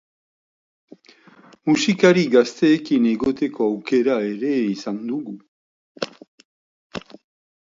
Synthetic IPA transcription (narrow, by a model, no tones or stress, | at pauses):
musikaɾiɡast̪e̞ːkiniɣo̞t̪e̞koawke̞ɾaeɾe̞isand̪uɣu